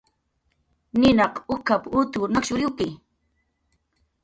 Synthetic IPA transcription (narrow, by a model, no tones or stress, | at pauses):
nɪnɑqʊkapʊt̪ʊnakʃʊɾɪkɪ